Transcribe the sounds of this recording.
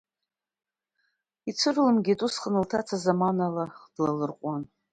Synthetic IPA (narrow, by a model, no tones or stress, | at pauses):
it͡sʷʰɨrlɨmɡʲitʼusχənɨltʰat͡sʰazamanalaχd̥lalɨrqʷʼan